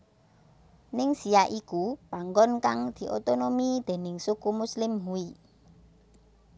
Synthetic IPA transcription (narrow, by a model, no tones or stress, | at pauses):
nɪŋsiaʔikupaŋɡɔnkaŋd̪̥i̤ʔo̰t̪onomid̪̥e̤nɪŋsukumuslɪmɦui